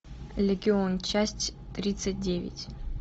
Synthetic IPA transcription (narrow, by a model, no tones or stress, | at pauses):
lʲeɡʲiont͡ʃasʲtʲt̪ɾʲit̪sɨt̚ʲdʲevʲɪ̰tʲ